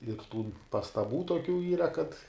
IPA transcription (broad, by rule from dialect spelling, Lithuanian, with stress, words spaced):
ɪr tuː pɐstɐˈbuː toːˈkʲuː ˈiːrɐ kɐt